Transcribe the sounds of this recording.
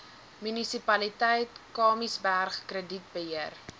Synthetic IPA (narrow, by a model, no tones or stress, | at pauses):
mynisipɐlitəjtkɑːmisbærχkrədit̚bəɦiər